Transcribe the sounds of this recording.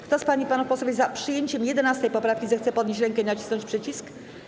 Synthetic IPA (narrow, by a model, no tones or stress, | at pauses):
kt̪ɔspaɲipanufpɔswɔvʲjzapʂɘjeɲt͡ɕɛmjɛd̪ɛnast̪ɛjpɔpɾafkʲizɛxt̪sɛpɔd̪ɲeɕt͡ɕɾɛŋkɛinat͡ɕisnɔɲt͡ɕʲpʂɘt͡ɕisk